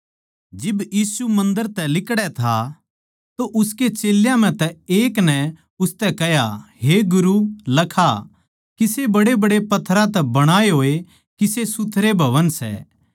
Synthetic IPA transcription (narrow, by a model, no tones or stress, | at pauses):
d͡ʒɪbjiːsumɐ̃nd̪əɾt̪ɛlɪkɽɛt̪ʰa | t̪oʔʊsket͡ʃeːljãm̤ɛ̃t̪ɛeːknɛ | ʊst̪ɛkɛɦjaɦeɡʊɾulɐkʰa | kisebɐɽebɐɽepɐt̪ʰːɾãt̪ɛbɐɽ̃aːeɦoːe | kisesʊt̪ʰːɾebʱɐʋənsɛ̰ː